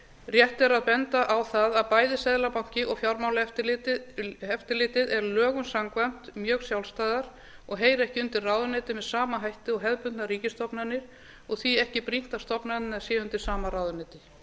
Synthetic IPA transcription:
rjɛht̪ɛɾaðpɛnt̪aʔawθaðaðpaːjðɪsɛðlapawɲ̥cɪʔɔɣfjawɾmawlɛt̪ | ɛft̪ɪlɪːt̪ɪðɛɾlœːɣʏnsamkvam̥t̪mjœːɣsjawlst̪aːjðaɾ̥ | ɔɣɦeːjɾɛhcɪʏnt̪ɪrraːwðʏnɪːt̪ɪmɛðsaːmaɦajht̪ɪɔɣɦɛðpʏnnaɾiːcɪst̪ɔpnanːɪɾ̥ | ɔɣθiɛhcɪpɾin̥t̪ast̪ɔpnaɪnasjɛʏnt̪ɪɾ̥saːmaɾawðʏnɛːt̪ɪ

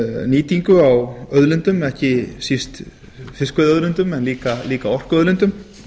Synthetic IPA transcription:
niːt̪iŋkʏawœðlʏnt̪ʏmɛhcɪsist̪ | fɪskvɛðœðlʏnt̪ʏmɛnliːkaliːkaɔr̥kœðlʏnt̪ʏm

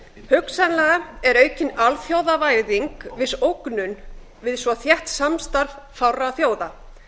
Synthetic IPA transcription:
hʏksanlɛɣaɛɾœːɥcɪnalθjowðavajɾðiŋkvɪsowknʏn | vɪðsvɔθjɛht̪samst̪aɾv | fawraθjoːwða

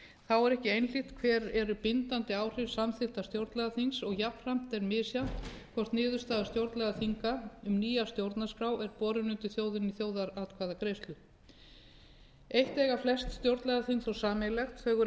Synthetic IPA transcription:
θawɛɾɛhcɪejnl̥iht̪kʰvɛːɾɛɾʏpɪnt̪ant̪ɪaːwr̥ɪv̥samθɪht̪ast̪jowɾt̪lɛɣaθinsɔɣjapn̥r̥am̥t̪ɛɾmɪːsjan̥t̪kʰvɔr̥t̪nɪːðʏ̥st̪aːðst̪jowɾt̪lɛɣaθiŋkaʏmniːjast̪jowɾt̪naskɾawɛɾpɔːɾʏnʏnt̪ɪθjoːwðɪniθjoːwðaɾat̪kʰvaːðakɾejst̪lʏ | ejht̪ɛːɣaflɛst̪st̪jowɾt̪lɛɣaθinsɔɣsaːmɛlɛxt̪θœːɣʏɾ

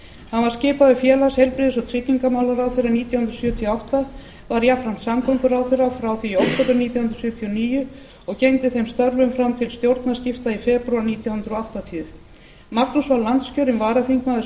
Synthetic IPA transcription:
hanvaɾ̥scɪːpaðʏfjɛːlashejlpɾɪːðɪsɔɣt̪ʰɾɪt̪niŋkamawlaɾawθeɾaniːt̪jahʏnt̪ɾ̥sjœt̪ʰijɔawht̪a | vaɾjafɾan̥t̪samkʰɔŋkʏɾaːwθerafɾawθiowht̪ʰɔt̪ʏɾniːt̪jawhʏnɾ̥sjʏːt̪ʰiɔniːjʏ | ɔɣcejŋt̪ɪθejmst̪œɾvʏmfɾamt̪ʰɪlst̪jowɾt̪nḁscɪft̪aifɛːpɾʏaniːt̪jawhʏnt̪ɾɔawht̪at̪ʰiʏ | maknusvallːant̪scœɾɪmvaːɾaθiŋkmaðʏ

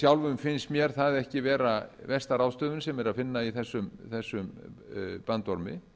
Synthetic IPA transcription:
sjawlvʏmfɪnst̪mjɛɾ̥θaðɛhcɪvɛːɾavɛst̪aɾaːwst̪œːvʏnsɛmɛɾaðfɪnːaiθɛsːʏmθɛsːʏm | pant̪ɔɾmɪ̰

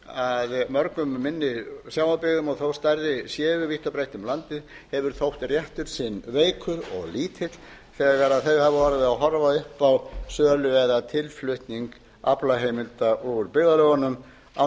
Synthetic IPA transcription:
aðmœɾkʏmːɪnːɪsjaːwmapɪɣðʏmɔɣθowst̪aɾðɪsjɛːvʏviht̪ɔpɾejht̪ʏmlant̪ɪð | hɛvʏɾ̥θowht̪rjɛht̪ʏɾ̥sɪnveːjkʰʏɾɔ̰ɣliːt̪ʰɪt̪ | θɛːɣaɾaðθejɣhavʏvaːɾavɪðaɦɔɾvaðʏhpawsœːlʏvɛðat̪ʰɪlflʏht̪niŋk | aplaɦejmɪlt̪aʔɔʏɾpɪɣðalœɣanʏm | a̰

